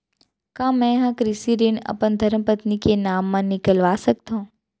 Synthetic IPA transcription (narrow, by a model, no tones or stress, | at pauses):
kãːmɛ̃ɦãkɾɪsiɾinɐ̰pənd̪ʱəɾmpət̪nikenaːmːãnɪkəlʋasək̚t̪õ